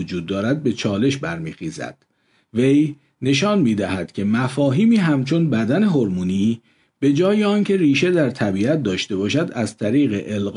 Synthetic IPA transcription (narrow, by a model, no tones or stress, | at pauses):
od͡ʒuːd̪ːɒːɾæd̪̚be̞t͡ʃʰɒːle̞ʃbæɾmiːxiːzæ̰d̪̥ | ve̞j | ne̞ʃɒːnmiːd̪æɦæd̪̥cʲʰe̞mæfɒːɦiːmiːɦæmt͡ʃʰo̞nbæd̪æne̞ɦo̞ɾmuːni | b̥e̞d͡ʒɒːjeɒːncʰe̞riːʃe̞d̪æɾt̪ʰæbiːæt̪̚d̪ɒːʃt̪e̞bɒːʃæd̪æzt̪ʰæɾiːɣe̞ʔelɢ